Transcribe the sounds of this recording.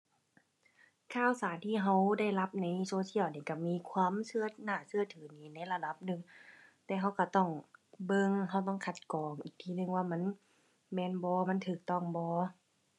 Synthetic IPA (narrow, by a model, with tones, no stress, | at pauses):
kʰaː˧˩˨wsaː˨˦nt̪ʰiː˧˩ɦa˧˩wda˧˥˩jla˧˥p̚na˧˥jsoː˧si˧˥ə˨wniː˧˩ka˧˩miː˧˥˨kʰwaː˧˥˨msɯ˧˥˨ɐnaː˧˩sɯ˧˩ɐt̪ʰɯː˨˦niː˧˩na˧˥jla˧da˧˦p̚nɯ˧ŋt̪ɛː˧ɦa˧˥˩wka˧˩t̪ɔ˥˩ŋbɤ˧ŋɦa˧˩wt̪ɔ˥˨ŋkʰa˧t̪̚kɔː˨˩ŋʔiː˧˩k̚t̪ʰiː˧˨nɯ˧ŋwaː˧˩ma˧˥˨n | mɛː˧˨nbɔː˧˦ma˧˥˨nt̪ʰɯː˧˩k̚t̪ɔ˧˥˩ŋbɔː˧